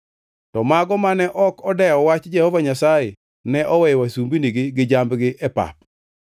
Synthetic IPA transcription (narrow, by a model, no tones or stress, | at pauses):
tɔmaɡɔmanɛʔɔkɔdɛɔwat͡ʃd͡ʒɛhɔvaɲasaje | nɛʔɔwɛjwasumbiniɡiɡɪd͡ʒambɡɪʔɛpa̰p̚